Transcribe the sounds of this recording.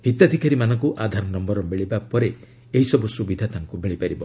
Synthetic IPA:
ɦhit̪ad̪ʱikaɾimanɔŋkuʔad̪ʱaɾnɔmbɔɾɔmeɭibapɔɾe | eɦisɔbusubid̪ʱat̪aŋkumeɭipaɾibɔ

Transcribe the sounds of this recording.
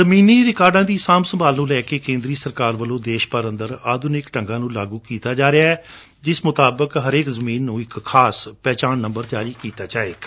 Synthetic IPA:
əmiːniːɾɪkaːɾɖãːd̪iːsaːmsəmbaːlnũːlɛːkeːkẽːnd̪ɾiːsəɾkaːɾʋəlõːd̪eːʃpəɾənd̪əɾaːd̪ʊnɪkʈəŋɡãːnũːlaːɡuːkiːt̪aːd͡ʒaːɾeaːɛː | d͡ʒɪsmʊt̪aːbəkɦəɾeːkzəmiːnːũːɪkːʰaːspɛːt͡ʃaːnːəmbəɾd͡ʒaːɾiːkiːt̪aːd͡ʒaːeː

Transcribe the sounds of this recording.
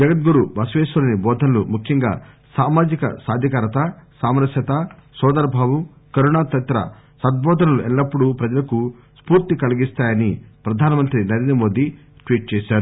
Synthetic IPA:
d͡ʒɐɡɐt̪̚ɡuɾubɐsʋeːʃuɾɐnibɔːd̪ʱɐnɐlumukʰjɐŋɡa̰ː | saːmaːd͡ʒikɐ̰saːd̪ʱjɐkaːɾɐt̪ɐsaːmɾɐsjɐt̪ɐsɔːd̪ɐɾbʱaːwu | kɐɾuɳaːt̪ɐt̪ɾɐ̰ | sɐd̪̚bʱɔːd̪ʱɐnɐluʔɛɭːɐpːuɽupɾɐd͡ʒɐlɐku | spuːɾt̪ikɐliɡist̪aːjɐnipɾɐd̪ʱaːnɐmɐnt̪ɾinɐɾiːnɐmoːd̪i | ʈʋiːʈ̚t͡ʃeːʃaːɾu

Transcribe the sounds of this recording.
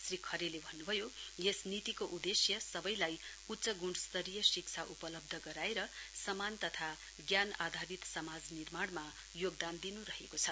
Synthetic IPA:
srikʰʌɾelebʱʌnːubʱʌjojesnit̪ikoʔud̪esjʌsʌbʌjlaj | utːsʌɡuɳɖst̪ʌɾijʌsik̚t͡sʰaʔupʌlʌb̚d̪ʱʌɡʌɾaeɾʌsʌmant̪ʌt̪ʰa | ɡjanad̪ʱaɾit̪sʌmad͡znirmaɽma | joɡ̚d̪and̪inuɾʌɦekot͡sʰʌ

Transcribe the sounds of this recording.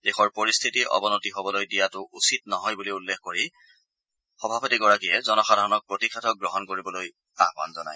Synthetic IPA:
dexɔɹpoɹist̪ʰitiʔɔ̰bɔnotiɦobɔlojdijatʊʔusitnɔɦɔjbuliulːexkoɹi | xɔbʱabɔtiɡɔɹakiɛzɔnɔxadʱaɹɔnɔk̚pɹotikʰatʰɔk̚ɡɹɔɦɔnkoɹibɔloj | a̰xba̰nzɔna̰j

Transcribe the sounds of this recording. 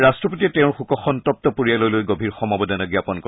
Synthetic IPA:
ɹastɹɔpotiɛtɛʊ̃ɹxukɔxɔntɔp̚t̪ɔpuɹijalojlojɡobʱiɹxɔmabɔdanaɡijapɔnkɔ

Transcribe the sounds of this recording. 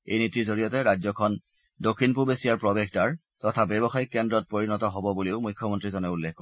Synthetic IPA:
ḛjnitizoɹijɔtɛɹajzɔkʰɔn | dokʰːinpuɹbesijaɹpɹɔbexdaɹ | tɔtʰabɛbɔxajkɛndɹɔt̚poɹinɔtɔɦɔbɔbuleʊmujkʰːjɔmɔntɹizɔnɛulːekkɔ

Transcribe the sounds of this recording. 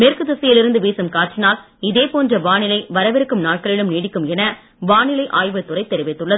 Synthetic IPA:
meːrkɯðɐsɐjɪlɪɾɯnd̪ɯʋeːsɯmkaːʈ̚t͡ʃɪnaːl | ɪðeːpoːndrɐʋaːnɪlɐɪʋɐɾɐʋɪɾɯkːɯmnaːʈ̚kɐɭɪɭɯmniːɽɪkːɯmɛnɐ | ʋaːnɪlɐɪʔaːjʋɯt̪ːʊɾɐɪt̪ːɛɾɪʋɪt̪ːɯɭːɐðɯ

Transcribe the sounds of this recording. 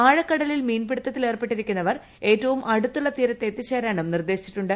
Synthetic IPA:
aːɻɐkːɐɽɐlilmiːnpeɽut̪ːɐt̪ːile̞ːrpeʈːiɾikʲːunːɐʋɐr | e̞ːtːɐʋumʔɐɽut̪ːuɭːɐt̪iːɾɐt̪ːet̪ːiɕeːɾaːɳɐmnird̪e̞ːɕi̥t͡ɕːi̥ʈːuɳɖɨ

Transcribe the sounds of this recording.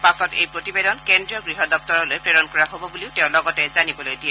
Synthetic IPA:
pasɔtejpɹotibedɔnkendɹiɔɡɹiɦɔdɔp̚tɔɹɔlojpɹeɹɔnkɔɹaɦobɔbuliʊtɛʊ̃lɔɡɔtɛzanibɔlojdiɛ

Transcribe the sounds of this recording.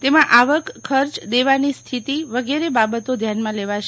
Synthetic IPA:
t̪emãʔaʋəkkʰːəɾt͡ʃd̪eʋanist̪ʰit̪iʋəɡeɾebabət̪od̪ʱjanmãleʋaʃ

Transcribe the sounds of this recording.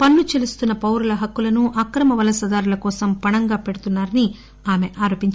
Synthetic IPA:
pɐnːut͡ʃelust̪unːɐpɐwɾulɐɦɐkːulɐnuʔɐkɾɐmɐʋɐlɐsɐd̪aːɾulɐkɔːsɐmpɐɳɐŋɡaːpeɽut̪unːaːɾɐni | aːme̞ʔaːɾoːpiɲt͡ʃ

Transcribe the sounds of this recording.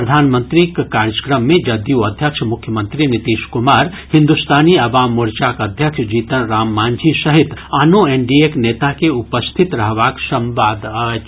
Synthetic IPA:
pɾəd̪ʱaːnmə̃nt̪ɾikkaːɾd͡ʒəkɾəmːẽd͡ʒɐd̪juɐd̪ʱjəkʃʰmʊkʰjəmə̃nt̪ɾinit̪iːʃkʊmaːɾ | hɪ̃nd̪ust̪ʰaːniɐʋaːmːuɾt͡ʃaːkɐd̪ʱjəkʃd͡ʒiːt̪ənɾaːmːaːnd͡ʒʱisɐɦɪt̪anoeɳɖiekneːt̪akeupəst̪ʰit̪ɾɐɦʋaːksə̃mʋaːd̪ət͡ʃ

